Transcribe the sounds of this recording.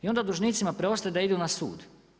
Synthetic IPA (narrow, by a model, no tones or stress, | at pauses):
io̞nd̪ad̪uʒniːt̪simapɾeo̞st̪ajed̪aid̪unasṵːd̪